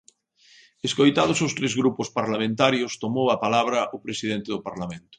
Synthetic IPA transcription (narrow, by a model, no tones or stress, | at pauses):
eskojt̪að̞ʊsʊst̪ɾezɣɾupʊspaɾlamẽnt̪aɾjʊst̪omowapalaβ̞ɾɐʔʊpɾesið̞ent̪eðʊpaɾlamẽnt̪ʊ̥